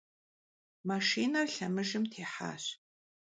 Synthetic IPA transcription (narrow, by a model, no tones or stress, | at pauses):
maʃiːnɐrɬɐmɨʒɨmtʰeːħa̰ːɕ